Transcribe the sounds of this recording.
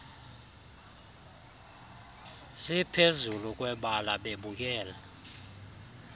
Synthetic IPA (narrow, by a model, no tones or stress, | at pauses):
sipʰezuluk̬ʼwɛɓalaɓeɓuk̬ʼɛːla